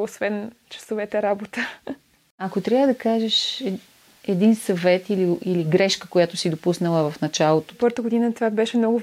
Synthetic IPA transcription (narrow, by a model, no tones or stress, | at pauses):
osvɛn | t͡ʃɐ̥sovɛt̪ɛɾabot̪ə | ɐkot̪ɾʲavəd̪ɐkaʒɛʃ | ɛd̪insɐvɛt̪iliiliɡɾɛʃkəkojat̪ʊsid̪opusnəlˠəvɐfnɐt͡ʃalˠot̪o̥pɤɾt̪əɡod̪inət̪vabɛʃɛmnɔɡʊ